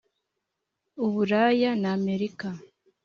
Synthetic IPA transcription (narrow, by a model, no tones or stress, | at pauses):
uβuɾajanaːme̞ɾika